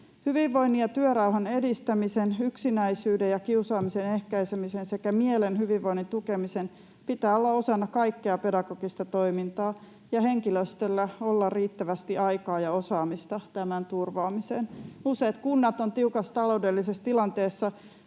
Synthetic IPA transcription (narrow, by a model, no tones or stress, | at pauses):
hyʋiʋːo̞inːiɑt̪yøɾɑuɦɑne̞dist̪æmisenyksinæisyːdejɑkiusɑːmise̞nehkæisemisense̞kæmielenɦyʋiʋʋoinːint̪ukemisen | pit̪æːolːɑosɑnːɑkɑikːeɑpe̞dɑɡ̥o̞ɡ̥ist̪ɑt̪o̞jmint̪ɑː | jɑhe̞ŋkiløst̪elːæolːɑrriːt̪ːæʋæst̪iʔɑjkɑːjɑo̞sɑːmist̪ɑt̪æmænt̪urʋɑːmiseːnuse̞ːt̪kunːɑt̪o̞nt̪iukɑst̪ɑlo̞udelːisest̪ilɑnt̪e̞ːsːɑ